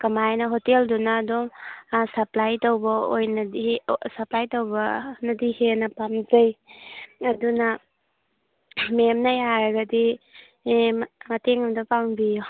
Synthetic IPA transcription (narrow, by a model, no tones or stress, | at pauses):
kɐmajnɐɦoteldunaːdoŋsɐplajtowbɐo̰jnɐdisɐplajtowbɐnɐdihenɐpamzɐj | ɐdunɐ | memnɐjaɾɐɡɐdi | mɐteŋɐmdɐpaŋbijɔ